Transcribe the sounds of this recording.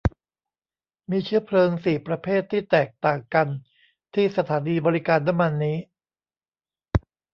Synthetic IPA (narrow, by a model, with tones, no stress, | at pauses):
miː˧t͡ɕʰɯ˦˥ɐpʰlɤː˧ŋsiː˨˩pɾa˧pʰeː˥˩t̪ʰːiː˥˩t̪ɛː˨˩k̚t̪aː˨˩ŋka˧n | t̪ʰiː˥˩sa˧t̪ʰaː˩˦niː˧bɔː˧ɾi˦˥kaː˧nːa˦˥mːa˧nːiː˦˥